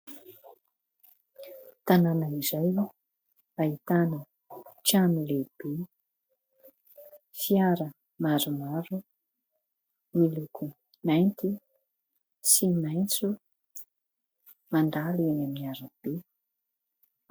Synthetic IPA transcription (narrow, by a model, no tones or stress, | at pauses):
t̪ananaizaj | ait̪anə | t͡ʃanileb̥e | fiaɾə | maɾumaɾu | milukʰu | najnt̪i | simajnt͡su | mand̪alianaminaɾəb̥e